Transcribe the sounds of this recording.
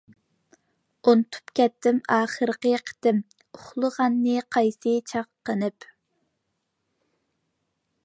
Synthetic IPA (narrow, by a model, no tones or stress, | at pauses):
ont̪ʰu̥pkʲɛt̪ːɪmɑːχəɾəqəqʰə̥t̪ɪm | ʊχlˠəʁɑnːɨqʰɑjsɨt͡ʃʰɑqːənɨp